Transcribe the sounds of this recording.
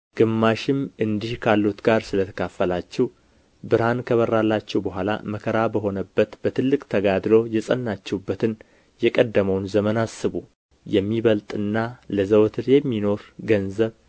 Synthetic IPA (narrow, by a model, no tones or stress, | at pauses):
ɡ̥ɨmːaʃɪmɨnd̪ihkʰalːut̪ɡaɾsɨlət̪ʰə̥kʰafːəlat͡ʃːɛw | bɨɾhankʰəβərːalːat͡ʃːɛwbəɦʷala̰məkʰəɾabəɦo̞nəbːət̪b̥ət̪ʰɨlːɨkʼt̪ʰəɡad̪lo̞jɛsʼənːat͡ʃːɛwubːət̪ɨn | jɛkʼəd̪ːəməwnzəmənasːɨβu | jɛmːiβəlt̪ʼɨnːaləzəwt̪ʰɨɾjɛmːino̞ɾɡənzəβ